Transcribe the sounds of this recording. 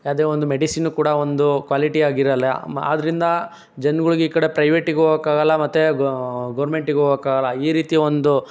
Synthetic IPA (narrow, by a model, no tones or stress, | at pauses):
aːd̪eːond̪umeɖisinukuːɽɐo̞nd̪ukʋaːliʈiaːɡiɾɐlːea̰ːd̪ɐɾind̪ɐ | d͡ʒɐnɡɐɭuɡeiːkɐɽe̞pɾɐjʋeʈiɡoɡokaːɡɐlːɐmɐt̪ːuɡɐːɾmeɳʈiɡeoɡɐkaːɡɐlːɐiːɾiːt̪iond̪u